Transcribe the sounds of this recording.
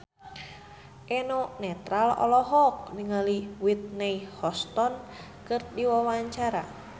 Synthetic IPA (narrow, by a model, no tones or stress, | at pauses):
ʔɛnɔnɛt̪ɾalɔ̰lɔɦɔk̚niŋaliwit̪̚nɛihɔst̪ɔn | kɨrdiwawaɲt͡ʃaɾa̰